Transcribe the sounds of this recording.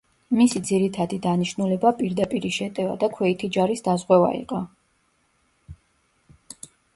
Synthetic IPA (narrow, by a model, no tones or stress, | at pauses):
misid̪ziɾit̪ʰad̪id̪aniʃnulɛbapʼiɾd̪apʼiɾiʃɛt̪ʼɛva̰d̪akʰwɛit̪ʰid͡ʒaɾisd̪azʁwɛva̰ḭqʼɔ